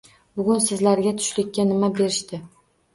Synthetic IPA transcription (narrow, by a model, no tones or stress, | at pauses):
bʊɡʲʊnsɪzlaɾɡʲat̪ʰʊ̥ʃlɪkʲːanɪmabe̞ɾɪʃt̪ɪ